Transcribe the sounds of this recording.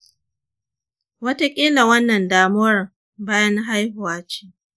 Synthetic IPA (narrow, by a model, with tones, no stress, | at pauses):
wɐ˦ta˦kʲʼi˦la˨wɐ˦nːɐ˨ndaː˨mʊ˦wɐ˨˦r | baː˦jɐ˦n˦ɦa˦jhʊ˨waː˦t͡ʃiː˦